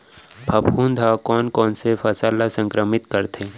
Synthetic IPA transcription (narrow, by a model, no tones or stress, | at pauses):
bʱɐbkund̪ʱakɔːnkɔːnsefʰɐsaːlasə̃ŋkɾəmɪt̪kəɾt̪ʰeː